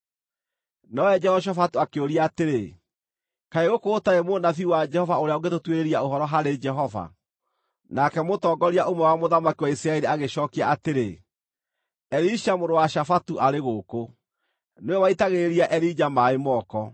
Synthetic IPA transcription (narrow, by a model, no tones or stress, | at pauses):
nɔɛd͡ʒɛhɔʃ̬afatuakeoɾiaːteɾe | kaeɣokoːtaemoːnaθiuwad͡ʒɛhɔvaoɾeaoɡetotweɾeɾiaoɦɔɾɔɦaɾed͡ʒɛɦɔva̰ | nakɛmotɔːɡɔɾiaʔomwɛwamoðamakiwaisɾaɛɾiaɣeʃɔːkiaateɾe | ɛɾiʃamoɾowaʃafatuʔaɾeɣoko | neɛwaitaɣeɾiaʔɛɾid͡ʒamaemɔːkɔ